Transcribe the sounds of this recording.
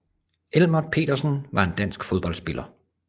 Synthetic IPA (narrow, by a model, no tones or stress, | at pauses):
elmɐpʰe̝̰ːd̥ɐsən̩ʋɑ̈e̝nd̥æn̰sɡ̥foðˠb̥ɒ̽l̰sb̥e̝lʔɐ